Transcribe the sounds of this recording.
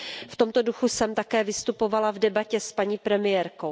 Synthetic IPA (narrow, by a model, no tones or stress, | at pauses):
ft̪o̞mt̪o̞duxusɛmt̪akɛːvɪst̪upo̞valavdɛbacɛspaɲiːpɾɛmɪjɛɾko̞w